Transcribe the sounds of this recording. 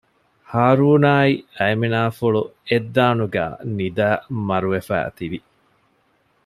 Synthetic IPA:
haːɾuːnaːiɐeminaːfuɭued̪ːaːnuɡæ̰ːnid̪æːmɐɾuʋefæ̰ːt̪iʋi

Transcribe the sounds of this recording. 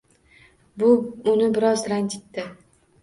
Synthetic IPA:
bʊʊnɪbɪɾɒzɾankʲɪt̪ːɪ

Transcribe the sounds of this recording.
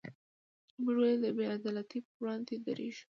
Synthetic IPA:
muʒwed̪əbead̪ɑlat̪ipwɽɑnd̪ed̪a̰ɾʔeʒu̥

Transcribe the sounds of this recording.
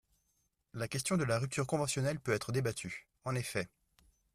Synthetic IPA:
lakʲɛst̪jɔ̃d̪əlaʁyp̚t̪yːʁkɔ̃vɑ̃sjɔnɛlpøɛt̪χəd̪ebat̪ʰy | ɑ̃nefɛ

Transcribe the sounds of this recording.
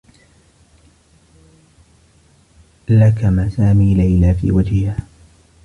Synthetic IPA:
lakamaːsaːmiːlajlaːfḭːwad͡ʒhɪhaː

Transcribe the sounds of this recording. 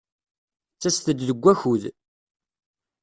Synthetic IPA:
t͡sːæst̪əd̪ðəɡʷːæçuð

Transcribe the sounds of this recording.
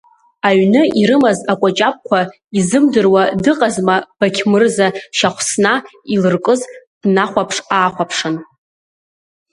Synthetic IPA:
aɥnɨʔiɾɨmazakʷʼat͡ʃʼap̚ʼkʷʰa | izɨmdɨrwadɨqʼazmab̥akʲʰmɨrzaʃaχʷsnailɨrkʼɨzd̥naχʷapʰʂaːχʷapʰʂɨn

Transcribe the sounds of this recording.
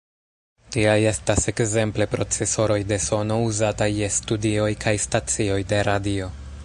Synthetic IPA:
tiaje̞stase̞kze̞mple̞pɾo̞t͡se̞so̞ɾo̞jde̞so̞no̞uzatajːe̞studio̞jkʰajstat͡sio̞jde̞ɾadio̞

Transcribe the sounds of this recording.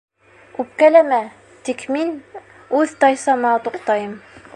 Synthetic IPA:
ʉp̚kælæmæ | t̪ikmin | ʉðt̪ɑjsɑmɑt̪uq̚t̪ɑjɤm

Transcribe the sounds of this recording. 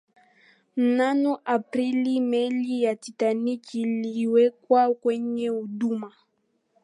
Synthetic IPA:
m̩nanɔʔapɾilimɛlijatitanikːliwɛkwakwɛɲɛuɗuma

